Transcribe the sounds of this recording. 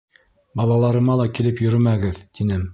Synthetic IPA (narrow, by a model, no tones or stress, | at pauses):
bɑlˠɑlˠɑɾɤ̆mɑlˠɑkilɘpjɵ̆ɾɵmæɡɘðt̪inɘm